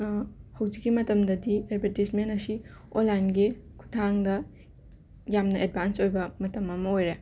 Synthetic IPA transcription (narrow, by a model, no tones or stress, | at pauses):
hɐwd͡ʒikːimɐtɐmdɐdied̚bʱetismenɐsi | olanɡekʰu̥tʰaŋdɐ | jamnɐʔed̚bʱansojbɐmɐtɐmɐmɐojɾe